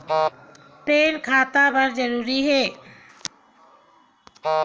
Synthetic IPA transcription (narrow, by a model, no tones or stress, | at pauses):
pɾenkʰaːt̪abəɾd͡ʒəɾuɾiɦe